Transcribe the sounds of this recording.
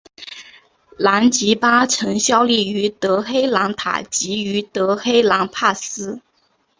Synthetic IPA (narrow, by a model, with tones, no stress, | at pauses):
la˧˥nt͡ɕi˧˥pa˥ʈ͡ʂʰɤ˧˥ŋɕjɑ˥ʊli˥˩y˧˥t̪ɤ˧˥xe˥ɪlɑ˧˥ŋt̪ʰa̰˨˩t͡ɕi˧˥y˧˥t̪ɤ˧˥xe˥ɪlɑ˧˥ŋpʰa˥˩sɹ̩˥